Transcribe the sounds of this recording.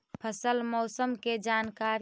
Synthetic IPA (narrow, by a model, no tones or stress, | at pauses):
pʰəsəlmɔːsəmked͡ʒaːnkaɾ